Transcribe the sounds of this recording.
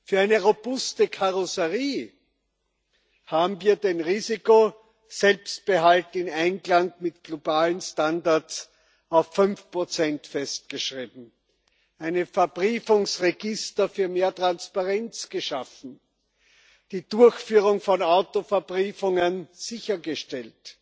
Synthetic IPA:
fyːɐæɪnəʁob̥ʊstəkʰaʁosəʁiː | haːbm̩viːɐdenʁiːziko | z̥ɛlpst̚b̥əɦaltɪnæ̃ɪnɡlaŋmɪtɡ̥lobaːlənstandaɐs | aʊfːʏnfpʁ̥ot͡sɛntfɛst̚ɡ̥əʃʁiːbm̩ | ʔæɪnəfɛɐbʁiːfʊŋsʁeɡɪstɐfyːɐmeːɐtʁ̥anspaʁɛnt͡sɡ̥əʃafn̩ | d̥iːdʊɐçfyːʁʊŋfɔnaʊtofɛɐbʁiːfʊŋənz̥ɪçɐɡəʃtɛlt

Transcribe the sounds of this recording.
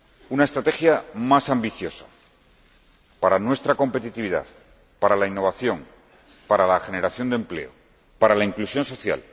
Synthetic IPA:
unae̞st̪ɾat̪e̞xjamasambiθjo̞sa | paɾanwe̞st̪ɾako̞mpe̞t̪it̪iβ̞iða̰ð | paɾalainːo̞β̞aθjo̞ŋ | paɾalaxe̞ne̞ɾaθjo̞nd̪e̞mple̞̰o̰ | paɾalaiŋklusjo̞nso̞θja̰l

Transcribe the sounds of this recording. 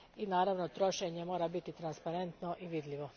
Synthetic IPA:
inaːɾaʋnot̪ɾo̞ʃeɲemo̞ːɾabit̪it̪ɾanspaɾe̞nt̪no̞ʔiʋid̪ʎʲiʋo̞

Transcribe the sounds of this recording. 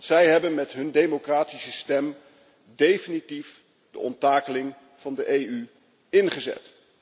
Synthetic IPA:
sɛjɦɛbənmɛtɦɵndejmokraːtisəstɛm | dejfinitif | d̥ə̰ɔntaːkəlɪŋ | v̥ɑndəʔejy | ɪnχəzɛ̰t

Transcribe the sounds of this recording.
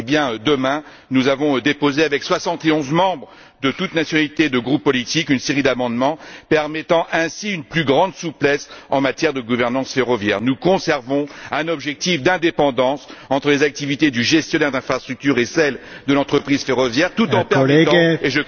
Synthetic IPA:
ebjɛ̃ød̪əmɛ̃ | nuzavɔ̃ød̪epozeavɛkswasɑ̃t̪eɔ̃zmɑ̃bʁ | d̪ət̪ut̪nasjɔnalit̪ed̪əɡʁupːɔlit̪ikynseʁid̪amɑ̃d̪mɑ̃pɛʁmɛt̪ɑ̃ʔɛ̃siynplyɡʁɑ̃d̪suplɛsɑ̃mat̪jɛʁd̪əɡuvɛʁnɑ̃sfeʁɔvjɛ̰ːʁnukɔ̃sɛʁvɔ̃ɛ̃nɔbʒɛk̚t̪ifd̪ɛ̃d̪epɑ̃d̪ɑ̃sɑ̃t̪χəlezak̚t̪ivit̪ed̪yʒɛst̪jɔnɛʁd̪ɛ̃fχast̪χyk̚t̪yʁesɛld̪əlɑ̃t̪χəpχiz̥feʁɔvjɛʁt̪ut̪ɑ̃pɛet̪eʒə

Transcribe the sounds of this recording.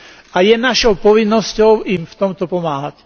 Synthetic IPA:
ajɛnaʃɔʊpɔʋinːɔscɔʊimft̪ɔmt̪ɔpɔmaːɦac

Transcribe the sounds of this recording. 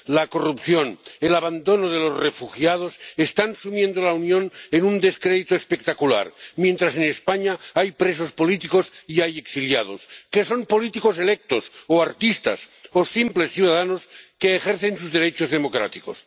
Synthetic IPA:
lako̞rupθjo̞nelaβand̪o̞noð̞elozrefuxjaðosest̪ansumje̞nd̪olaunjõ̞nenund̪e̞skɾeðit̪oespe̞k̚t̪akula̰ɾmje̞nt̪ɾase̞nespaɲaajpɾes̬o̞spo̞lit̪ikosiaje̞ksiljað̞oske̞so̞mpo̞lit̪iko̞se̞lek̚t̪osoaɾt̪ist̪a̰sosimple̞sθjuðaðanoskeːxeɾθe̞ns̬uzðeɾe̞t͡ʃozðe̞mo̞kɾa̰t̪iko̰s

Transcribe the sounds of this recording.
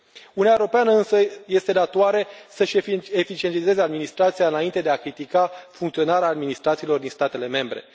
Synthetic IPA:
unijaeoɾopeanəɨnsəje̞st̪e̞d̪at̪oaɾe̞səʃefit͡ʃie̞nt̪ize̞zead̪minist̪ɾat̪siaɨnaint̪e̞d̪eakɾit̪ikafuŋkt̪sio̞naɾeaːd̪minist̪ɾat̪siːlo̞rd̪inst̪at̪e̞le̞me̞mbɾe̞̰

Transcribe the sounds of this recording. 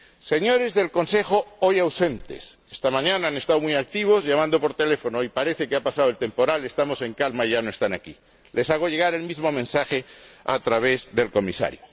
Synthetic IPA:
se̞ɲo̞ɾe̞zðe̞lko̞nse̞xo̞ojawse̞nt̪ḛse̥st̪amãɲãnaane̞st̪awmuijak̚t̪iβ̞o̞zʝamãnd̪o̞po̞ɾt̪e̞le̞fo̞noipaɾe̞θe̞keapasaðoelt̪e̞mpo̞ɾale̞st̪amo̞se̞ŋkalmaiʝanoe̞st̪anaki | le̞saɣ̞oʝe̞ɣ̞aɾe̞lmizmo̞mẽnsaxea̰t̪ɾaβ̞e̞zðe̞lko̞misa̰ɾjo

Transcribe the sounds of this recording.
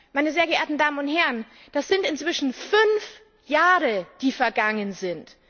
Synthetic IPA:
maɪnəzeːɐɡəʔḛːɐtn̩daːmənʊnthɛʁən | d̥asz̥ɪntɪntt͡sv̥ɪʃn̩fʏnf | jaːʁəd̥iːfɛɐɡaŋənzɪnt

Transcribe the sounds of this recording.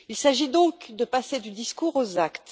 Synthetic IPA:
ilsaʒid̪ɔ̃kd̪əpased̪yd̪iskuʁozakt̪

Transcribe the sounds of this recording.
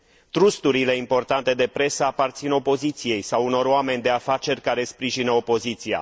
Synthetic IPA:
t̪ɾust̪uɾile̞impo̞rt̪ant̪e̞d̪e̞pɾe̞səapart̪sino̞po̞zit̪sije̞jsawuno̞ɾoame̞nʲd̪e̞afat͡ʃe̞rʲkaɾe̞spɾiʒinəopo̞zit̪sia̰

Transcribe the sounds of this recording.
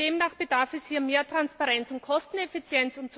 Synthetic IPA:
d̥eːmnaːχb̥ədaɐfɛshiːɐmeːɐtʁ̥anspaʁɛnt͡sʊntkʰɔstn̩ɛfɪt͡sjɛnt͡sʊmt͡s

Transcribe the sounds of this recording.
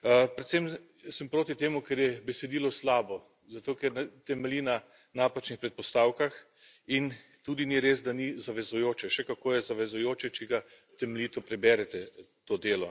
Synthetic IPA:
pɾɛt̪sem | səmpɾoːt̪it̪eːmukɛɾjɛbɛsɛd̪iːlɔslaːbɔ | zat̪oːkɛɾnt̪ɛmɛliːna | naːpat͡ʃnixpɾɛt̪̚pɔst̪aːwkax | in | t̪uːd̪iniɾeːzd̪anizaʋɛzujoːt͡ʃɛʃɛkakoːjɛzaʋɛzʊjoːt͡ʃɛt͡ʃɛɡa | t̪ɛmelʲit̪ɔpɾɛbɛɾɛt̪ɛt̪oːd̪eːlɔ̰

